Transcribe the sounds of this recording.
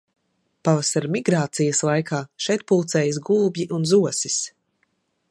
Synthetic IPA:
pavasaɾmiɡɾaːt̪sijɐslˠajkʰaːʃɛjt̪̚pulˠt̪sɛːjəs̬ɡuːbʲjiʔunzuɔsis

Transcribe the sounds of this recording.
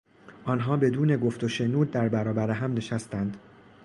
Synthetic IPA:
ʔɒːnɦɒːbe̞d̪uːne̞ɡo̞ft̪ʰo̞ʃe̞nuːd̪̚ːæɾbæɾɒːbæɾeɦæmneʃæst̪ænd̪

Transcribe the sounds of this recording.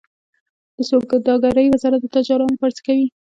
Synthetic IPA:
d̪̥əsok̚ɡ̪əd̪ɑɡaɾəjwɪzɑɾat̪̚d̪ət̪ɑd͡ʒɑɾɑnopaɾt͡skawi

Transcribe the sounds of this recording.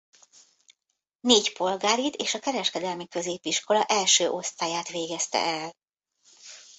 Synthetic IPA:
neːcpo̞lɡaːɾit̪eːʃɒkɛɾɛʃkɛd̪ɛlmikø̞zeːpiʃko̞lɒʔɛlʃøːʔo̞st̪aːjaːt̪ʋeːɡɛst̪ɛ̰ʔɛl

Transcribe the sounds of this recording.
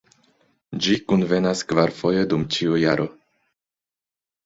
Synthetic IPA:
d͡ʒikunve̞naskvaɾfo̞jedumt͡ʃiujaɾʔo̞

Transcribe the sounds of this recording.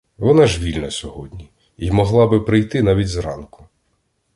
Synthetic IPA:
ʋɔnɑʒʋʲilʲnɐsʲɔɦɔdʲnʲi | imɔɦlˠɑbɪpɾɪjt̪ɪnɑʋʲidʲzrɑ̰nkʊ̥

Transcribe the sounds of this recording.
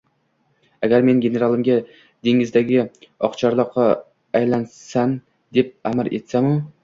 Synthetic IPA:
aɡʲaɾme̞nɡʲe̞ne̞ɾalˠɪmɡʲa | d̪̥e̞ŋɪzd̪aɡʲɪɒqt͡ʃʰaɾlˠɒqʰːɑː | jlansan | d̪e̞p̚amɪɾe̞̰t̪samʊ

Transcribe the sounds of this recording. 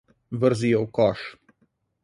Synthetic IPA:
vəɾzijɔwkɔʃ

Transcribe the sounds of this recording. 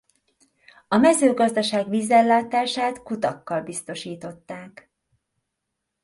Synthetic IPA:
ɒmɛzøːɡɒzd̪ɒʃaːɡʋiːzɛlːaːt̪aːʃaːt̪kut̪ɒkːɒlbist̪o̞ʃiːt̪o̞t̪ːaːk

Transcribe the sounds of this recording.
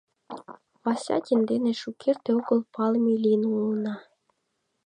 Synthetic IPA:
pɑsʲɑ̰tʲend̪eneʃukʰert̪eoɣə̆lpɑlmilʲinulnɑ

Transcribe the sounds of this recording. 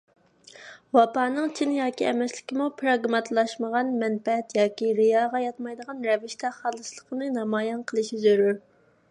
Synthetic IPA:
wɑpɑːnɨŋt͡ʃʰinɪjɑːkʲiɛmɛslɪkʲimupʰɾɑɡmɑt̪ʰlˠɑʃməʁɑnmɛnfɛɛt̪jɑːkʲiɾɨjɑːʁɑjɑt̪mɑjd̪əʁɑnɾɛvɪʃt̪ʰɛχɑːlˠɨslˠəqənɨnɑmɑːjɛnqʰəlˠɨʃizøɾyɾ

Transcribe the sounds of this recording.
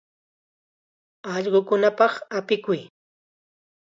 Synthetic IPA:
ɑʎɢokʊnapɑχapɪkʊj

